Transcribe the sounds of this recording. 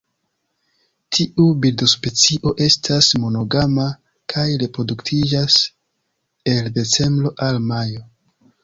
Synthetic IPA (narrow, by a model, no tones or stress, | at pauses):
tʰiʔubildo̞spe̞t͡siʔo̞ʔe̞stʰasmo̞no̞ɡama | kʰajɾe̞pɾo̞duktʰid͡ʒas | e̞lde̞t͡se̞mblo̞ʔalmajo̞